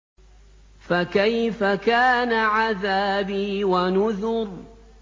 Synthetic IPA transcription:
fakajfakaːnaʕaðaːbiːwanʊðʊɾ

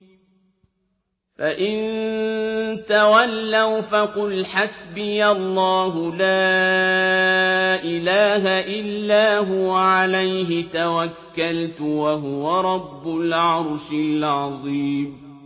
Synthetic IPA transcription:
faʔɪn | t̪awalːawfaqʊlħasbɪjalˤːɑːɦʊla | ʔɪlaːɦaʔɪlːaːɦʊwaʕalajɦɪt̪awakːalt̪ʊwaɦʊwaɾˤɑbːʊlʕɑɾˤʃɪlʕɑðˤiːm

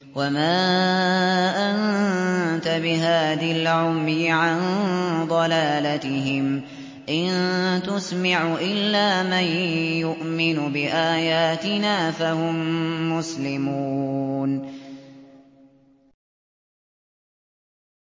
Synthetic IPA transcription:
wamaː | ʔan | t̪abɪɦaːðalʕʊmjɪʕand̪ˤɑlaːlat̪ɪɦɪm | ʔɪnt̪ʊsmaʕʔɪlːaːmanjʊʔmɪnʊbɪʔaːjaːt̪ɪnaːfahʊmːʊslɪmuuːn

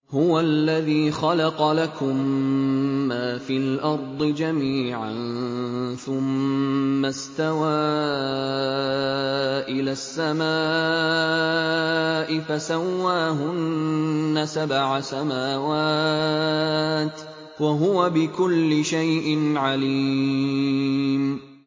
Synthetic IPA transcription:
hʊwalːaðiːxɑlɑqɑlakʊmː | aːfiːlʔɑɾˤd̪ˤɨd͡ʒamiːʕan | θʊmː | ast̪awaː | ʔɪlaːsːamaː | ʔɪfasawːaːɦʊnː | asabʕasamaːwaː | t̪ | waɦʊwabɪkʊlːɪʃajʔɪnʕaliː | m

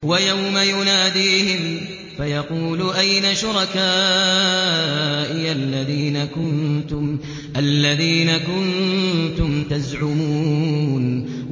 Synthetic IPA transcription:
wajawmajʊnaːd̪iːhɪm | fajɑquːlʊʔajnaʃʊɾˤɑkaː | ʔɪʔalːaðiːnakʊnt̪ʊm | ʔalːaðiːnakʊnt̪ʊmt̪azʕʊmuːn

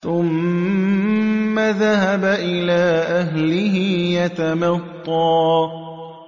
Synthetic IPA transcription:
θʊm | aðaɦabaʔɪlaːʔaɦlɪɦɪjat̪amɑt̪ˤːɑː

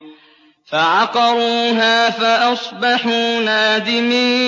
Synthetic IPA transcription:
faʕɑqɑɾuːɦaːfaʔɑsˤbɑħuːnaːd̪ɪmiː

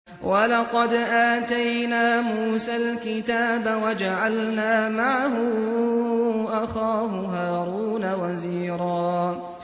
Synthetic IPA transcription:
wʔalɑqɑd̪ʔaːt̪ajnaːmuːsalkɪt̪aːbawad͡ʒaʕalnaːmaʕaɦʊ | ʔaxaːɦʊɦaːɾuːnawaziːɾˤɑː

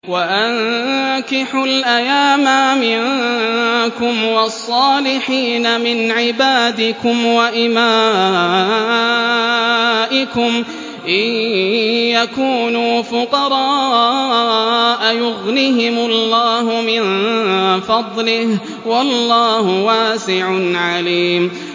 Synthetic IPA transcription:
waʔankɪħʊlʔajaːmamɪn | kʊmwɑsˤːɑːlɪħiːnamɪnʕɪbaːd̪ɪkʊmwaʔɪmaː | ʔɪkʊm | ʔɪ | jakuːnuːfʊqɑɾˤɑː | ʔajʊɣnɪɦɪmʊlːɑːɦʊmɪn | fɑd̪ˤlɪh | wɑlːɑːhʊwaːsɪʕʊnʕaliːm

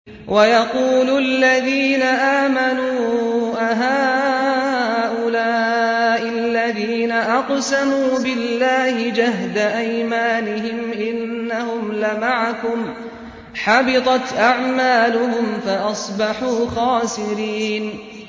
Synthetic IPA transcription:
wʔajɑquːlʊalːaðiːnaʔaːmanuːʔaɦaː | ʔʊlaːʔɪlːaðiːnaʔɑqsamuːbɪlːaːhɪd͡ʒaɦd̪aʔajmaːnɪɦɪmʔɪnːahʊmlɪmaʕakʊm | ħabɪt̪ˤɑt̪ʔaʕmaːlʊhʊmfaʔɑsˤbɑħuːxɑːsɪɾiːn

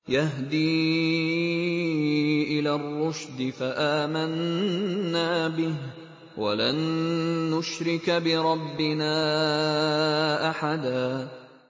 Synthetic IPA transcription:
jaɦd̪iː | ʔɪlaːrˤːʊʃd̪ɪfaʔaːmanː | aːbɪh | wa̰lanː | ʊʃɾɪkbɪɾˤɑbːɪnaː | ʔaħad̪aː

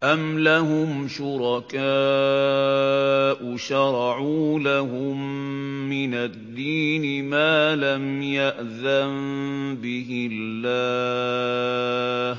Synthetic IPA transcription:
ʔamlaɦʊmʃʊɾˤɑkaː | ʔʊʃɑɾˤɑʕuːlaɦʊmː | ɪnad̪ːiːnɪmaːlamjaʔðanbɪhɪlːaː | h

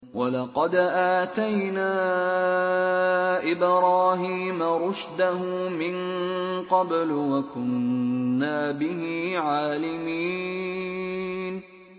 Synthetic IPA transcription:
walɑqɑd̪ʔaːt̪ajnaː | ʔɪbɾɑːɦiːmaɾˤʊʃd̪ahʊmɪn | qɑblwakʊnː | aːbɪhiʕaːlɪmiː | n

